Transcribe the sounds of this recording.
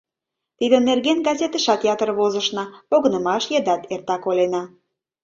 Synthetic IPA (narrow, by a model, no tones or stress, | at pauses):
t̪id̪ənːerɣenɡɑzʲet̪ə̆ʃɑt̪ʲeɑt̪ərβozə̆ʃnɑpoɣənə̆mɑʃjəd̪ɑt̪ert̪ɑkolʲenɑ